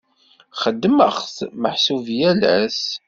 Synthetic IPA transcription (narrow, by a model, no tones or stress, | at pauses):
χəd̪ːəməχθməħsuvjælæs